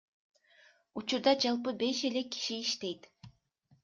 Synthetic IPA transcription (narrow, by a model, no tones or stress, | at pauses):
ut͡ʃuɾd̪ɑd͡ʒɑlˠpɯbe̞ʃe̞le̞kːi̥ʃiːʃt̪e̞jt̪